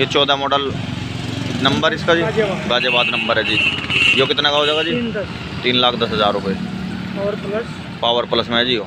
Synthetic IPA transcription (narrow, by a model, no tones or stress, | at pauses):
ɦet͡ʃoːd̪amɔːɖəl | nɐmbəɾɪskaːd͡ʒiːbaːd͡ʒebaːd̪nɐmbəɾɦɛd͡ʒiːjoːkɪt̪nakaɦoːd͡ʒaːɡaːd͡ʒiː | t̪iːnlaːkʰd̪ɐsɦəzaːɾːʊpe | paːʋəɾpləsmẽɦɛd͡ʒiːoː